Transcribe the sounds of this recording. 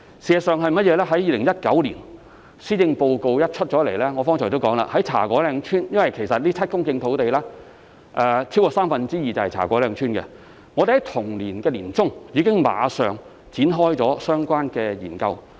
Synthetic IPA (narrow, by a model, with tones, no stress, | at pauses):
siː˨˧ɐ˨sœː˨ŋɦɐ˨jmɐ˥t̚jɛː˨˧lɛː˥ɦɐ˨˥jiː˨˧lɪ˨˩ŋjɐ˥t̚kɐ˨˥wlḭ˨˩n | siː˥jɪ˧ŋpo˨˧wko˨˧wjɐ˥t̚t͡ʃʰɵ˥t̚t͡ʃɔː˨˥le˨˩jlɛː˥ŋɔː˨˧fɔː˥ŋʰɔː˨˩t̪o˥wkɔː˨˥ŋla̰˧˨hɐ˨˥jt͡sʰa̰ː˨˩kʷɔː˨˥lɛː˨˧ŋt͡ʃʰyː˥njɐ˥nwɐ˨jkʰe˨˩jsɐ˨t̚liː˥ɐ˥t̚kʊ˥ŋkɪ˧ŋt̪ʰo˨˥wt̪e˨jlɛː˥ | ʔɛ˧t͡sʰi˥wkɔ˧saː˥mfɐ˨˧nt͡siː˥jiː˨t͡sɐ˨whɐ˨jt͡sʰa̰ː˨˩kʷɔː˨˥lɛː˧ŋt͡ʃʰyː˥nkɛ̰˧ | ŋɔː˨˧de˨hɐ˨˥jt̪ʰʊ˨˩ŋliː˨˩nkɛː˧liː˨˩nt͡sʊ˥ŋjiː˨˧kɪ˥ŋma̰ː˨˧sœː˨ŋ | t͡siː˨˥nɦɔː˥jt͡sɔː˨˥sœː˥ŋkʷwaː˥nkɛː˧jḭː˨˩nkɐ˧w